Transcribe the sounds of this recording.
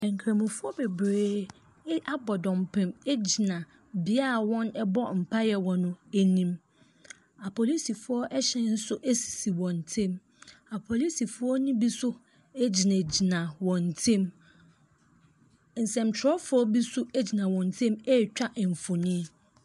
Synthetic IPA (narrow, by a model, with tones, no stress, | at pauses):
ɛ̃˨ŋ̩˨kʰɾẽ˨mũ˨fʊ˦ɔ˦be˨bɾeː˦ | ʔa˦bɔ˨dɔ̃˨mpʰɪ̃˨me˦d͡ʑi˨nã˨ | bɪ˦a˦a˨wɔ̃˦nɛ˦bɔ˦m̩˨pʰa˦jɛ˨wɔ̃˨nʊ̃˦e˦nĩ˦m | a˨pʰɔ˨li˦si˨fʊ˨˦ɔ˦ʔɛ˦ɕɛ˦n̩˦sʊ˦ʔe˦si̥˨si˨wɔ̃˨n˨tʰɪ̃˦˨m | a˨pʰɔ˨li˦si˨fʊ˦ɔ˦nĩ˦bi˦sʊ˦ | e˦d͡ʑi˨nã˨d͡ʑi˨nã˨wɔ̃˨n̩˨tʰɪ̃˦m | n̩˨sɛ̃˨m̩˨t͡ɕʰɾɔ˦fʊ˦ɔ˦bi˦sʊ˦e˦d͡ʑi˨nã˨wɔ̃˨n˨tʰɪ̃˦me˦˨t͡ɕᶣa˦ʔɱ̩˨fʊ˨nĩ˦